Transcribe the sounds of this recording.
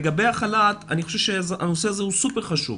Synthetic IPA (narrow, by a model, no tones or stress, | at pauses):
eɡabe̞jaχalat̪a̰niχoʃevʃeʔa̰no̞seazehusupeʁχaʃṵv